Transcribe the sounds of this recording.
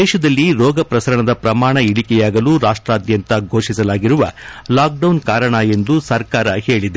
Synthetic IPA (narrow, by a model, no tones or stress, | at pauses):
ɛːʃɐd̪ɐlːiɾɔːɡɐpɾɐsɐɾɐɳɐd̪ɐpɾɐmaːɳɐiɽikɛjaːɡɐluːɾaːʂʈɾaːd̪jɐnt̪ɐɡʱoːʂisɐlaːɡiɾuʋɐ̰laːk̚ɖɐwnkaːɾɐɳɐe̞nd̪usɐɾkaːɾɐhe̞ːɭid̪e